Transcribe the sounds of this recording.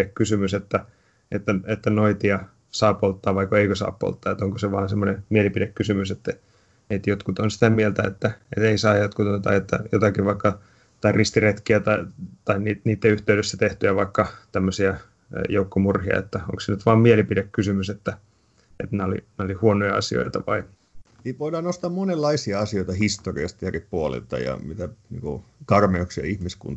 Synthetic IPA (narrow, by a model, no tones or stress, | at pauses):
ekkːysymyset̪ːæ | et̪ːæet̪ːænoit̪iɑ | sɑːpolt̪ːɑːʋʋɑikːoeikøsɑ̰ːppo̰lt̪ːɑːet̪oŋkoseʋɑːnsemːonemielipidekkːysymyset̪ːæ | et̪jot̪kut̪onsi̥t̪æmielt̪æet̪ːæḛt̪eisɑːjot̪kut̪ont̪ɑ̰iet̪ːæ̰jo̰t̪ɑkiʋʋɑikːɑ | t̪ɑirist̪iret̪kiæt̪ɑit̪ɑinniːt̪niːt̪ːeyht̪eydøsːæt̪eht̪yæʋɑikːɑt̪æmːøsiɑ | joukːomurhiɑ̰ḛt̪ːæo̰ŋksinyt̪ʋɑːmmielipidekkysymyset̪ːæ | ḛt̪neolḭneolihuonojɑɑ̰sio̰it̪ɑʋɑ̰i | niʋoidɑːnost̪ɑːmmonelːɑisiɑɑsioit̪ɑhist̪orḭɑst̪jeripuolḛlt̪ɑ̰jɑ̰mit̪ænḭːŋko̰kɑrmeoksjɑ̰ihmiskṵnt̪